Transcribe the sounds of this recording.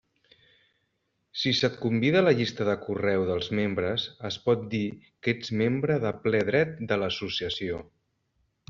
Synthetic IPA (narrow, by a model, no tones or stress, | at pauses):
sisət̪kumbiðələʎist̪əðəkurɛwðəlˠzmembɾəsəspɔt̪̚d̪iked͡zmembɾəðəplɛð̞ɾɛt̪̚d̪ələsusiəsio